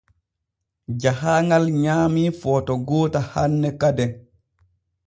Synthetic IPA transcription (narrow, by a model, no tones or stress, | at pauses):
d͡ʒahaːŋɡalɲaːmifɔtɔɡɔːtahanːɛkadɛn